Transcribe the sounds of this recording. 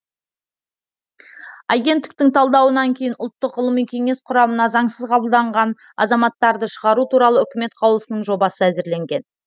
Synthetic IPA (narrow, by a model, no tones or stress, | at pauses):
ɑjɡʲe̞nt̪ːɪk̚t̪ɪŋt̪ʰɑlˠd̪ɑwənɑŋkʲʰe̞jɪnʊlˠt̪ːəqːʊlˠəmijkʲʰe̞ŋe̞sqʰʊɾɑmənɑzɑɴsəzqʰɑbəlˠd̪ɑɴʁɑn | ɑ̰zɑmɑt̪ːɑɾd̪əʃəʁɑɾut̪uɾɑlˠəʏkʲɪme̞t̪qʰɑwlˠəsənəɴʒo̞bɑsəæzɪɾle̞ŋɡʲe̞n